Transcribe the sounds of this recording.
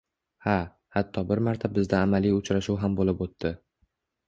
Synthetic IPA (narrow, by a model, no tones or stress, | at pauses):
ha | hat̪ʰːɒbɪɾmaɾt̪ʰabɪzd̪aːmalijʊt͡ʃɾaʃuwɦambolɪpot̪ːɪ